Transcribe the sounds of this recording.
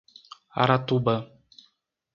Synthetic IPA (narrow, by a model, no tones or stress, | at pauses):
a̰ɾat̪ubə